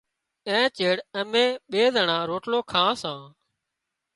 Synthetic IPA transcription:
ɛ̃ːt͡ʃeːɽəmẽːɓeːzəɳãːɾoːʈloːkʰãːsãː

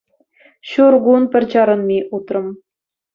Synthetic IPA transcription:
ɕurɣunpʲɘ̆rʲt͡ɕɑɾɤ̆nmʲiʔut̪rɤ̆m

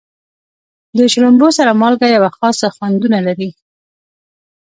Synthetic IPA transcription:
d̪əʃɾʊmbosaɾamɑlɡajawaxɑsaxwand̪unalaɾi

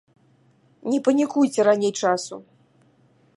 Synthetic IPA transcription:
nʲɛpɐnʲikujt͡sʲɛɾanʲejt͡ʂasu

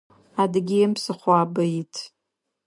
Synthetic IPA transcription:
adɡʲiɪmpsɨχʷaːbajitʼʰ

